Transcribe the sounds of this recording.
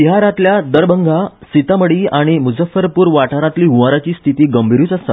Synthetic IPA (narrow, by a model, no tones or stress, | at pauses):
iɦaɾãt̪ljad̪əɾbəŋɡʱasit̪aməɽiːaɽ̃imud͡zəfəɾpuːɾʋaʈaɾat̪liːɦuʋaɾat͡ɕiːst̪ʰit̪iːɡəmbʱiɾuːt͡səst̪a̰t̪